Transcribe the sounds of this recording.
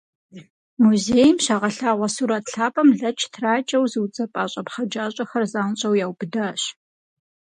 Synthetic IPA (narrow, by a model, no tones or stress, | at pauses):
muzeːjmʃaʁɐɬaːʁʷɐsuɾɐtʰɬaːpʼɐmɮɐt͡ʃʰtʰraːt͡ʃʼɐwzɨwt͡sʼɐpʼaːɕʼɐpχɐd͡ʒaːɕʼɐxɐrzaːnɕʼɐwjaːwbɨdɐɕ